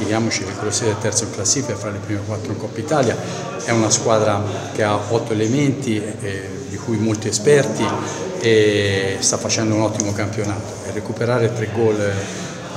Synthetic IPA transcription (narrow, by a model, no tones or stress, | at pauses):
id̪jaːmot͡ʃielkɾosːɛd̪elt̪ːɛɾt̪soiŋklasːifefːaɾelepɾimekwat̪ːɾoiŋkɔpːait̪aːlja | ɛunaskwaːd̪ɾa | k̟eaɔt̪ːoelement̪i | d̪ikujmolt̪iespɛrt̪iest̪afːat͡ʃɛnd̪ounɔt̪ːimokampjonaːt̪o̥ɛrːekupeɾaːɾet̪ɾeɡːɔl